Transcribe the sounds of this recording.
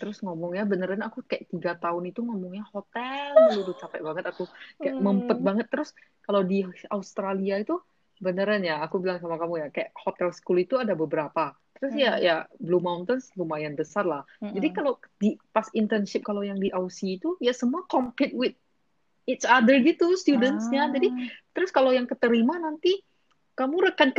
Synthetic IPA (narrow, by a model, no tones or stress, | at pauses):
t̪əɾʊsŋomɔŋjabənəɾanɲaːkukajaʔ̚t̪iɡat̪aʊnit̪uŋomɔŋɲahot̪ɛlɡut̪ut͡ʃapaʔbaŋət̪akukajaməmpət̪̚baŋət̪ːəɾʊs | kalawdiaust̪ɾaliait̪u | bənəɾanɲaːkubilaŋs̬amakamujakajaʔhot̪ɛlskulit̪uadabəbəɾapa | t̪əɾʊsjajablumawnt̪ənslumajanbəsarlah | d͡ʒadikalodipasint̪ənʃɪp̚kalawjaŋdiʔausiːt̪ujasəmuakompɪt̪̚wɪt̪̚ | it̪t͡ʃadərɡit̪ust̪judənsɲad͡ʒadit̪əɾʊskalowjaŋkət̪əɾimanant̪i | kamuɾəkank